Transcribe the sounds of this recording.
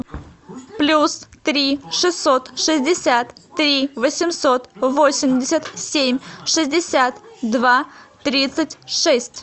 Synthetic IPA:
plʲust̪ɾʲiʂɨsːo̞t̪ʂɨzʲdʲɪsʲat̪ːɾʲivəsʲɪmso̞t̪vosʲɪmʲdʲɪsʲət̪sʲemʲʂɨzʲdʲɪsʲat̪d̪vat̪ɾʲit̪sɨtʲʂɛsʲtʲ

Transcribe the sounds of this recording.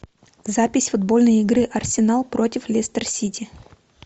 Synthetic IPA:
zapʲɪsʲfʊd̪bo̞lʲnəjɪɡɾɨʔɐrsʲɪnalˠpɾo̞tʲɪflʲest̪ərsʲitʲɪ

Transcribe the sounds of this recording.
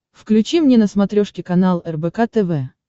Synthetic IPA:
fklʲʉt͡ɕimnʲenəsmɐt̪ɾʲoʂkʲɪkɐnalˠɛrbɛkat̪ɛvɛ

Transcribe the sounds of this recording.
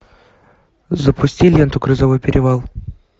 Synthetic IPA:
zəpʰʊsʲtʲilʲent̪ʊkɾɨzɐvojpʲɪɾʲɪvalˠ

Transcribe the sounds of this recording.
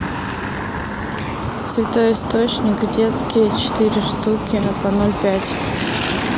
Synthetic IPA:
svʲɪt̪o̞jɪst̪ot͡ɕnʲɪkdʲet̪skʲɪjət͡ɕɪ̥t̪ɨɾʲɪʂt̪ukʲɪnɐpɐnolʲpʲætʲ

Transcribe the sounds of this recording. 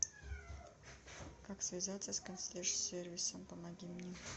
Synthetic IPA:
kaksvʲɪzat̪səskənsʲlʲeʂsʲervʲɪsəmpəmaɡʲimnʲe

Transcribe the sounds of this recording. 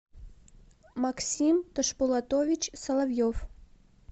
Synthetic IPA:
maksʲimt̪əʃpulˠat̪ovʲit͡ɕsɐlˠavjof

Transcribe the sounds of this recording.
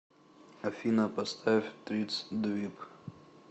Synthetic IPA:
ɐfʲinɐpɐst̪ʰafʲt̪ɾʲit̪sd̪vʲip

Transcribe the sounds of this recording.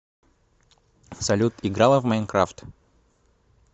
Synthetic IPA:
sɐlʲut̪ɪɡɾalˠəvmɛjnkɾaft̪

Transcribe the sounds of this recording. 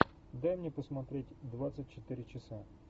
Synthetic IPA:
d̪ajmnʲɛpəsmɐt̪ɾʲetʲd̪ʋat̪sət̚ʲt͡ʃɪt̪ɪɾʲɪt͡ʃɪsa

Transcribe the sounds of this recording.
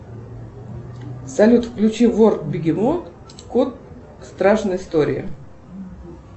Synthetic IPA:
sɐlʲut̪fklʲʉt͡ɕivorkbʲɪɡʲɪmon | kot̪̚ | st̪ɾaʂnəɪst̪oɾʲɪ̰ə̰

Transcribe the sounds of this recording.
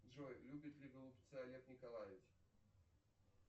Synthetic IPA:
dʐojlʲubʲɪt̪lʲɪɡəlˠʊpʲt̪sɨɐlʲet̪nʲɪkɐlˠajɪf

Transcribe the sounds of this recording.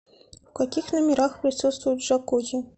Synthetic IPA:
fkakʲixnɐmʲɪɾaxpɾʲɪsut̪st̪vʊjʊt̪ʲʐakud͡ʑʲɪ

